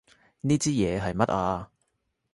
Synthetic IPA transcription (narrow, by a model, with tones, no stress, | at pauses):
niː˥t͡siː˥jɛː˨˧ɦɐ˨jmɐ˦˥t̚aː˧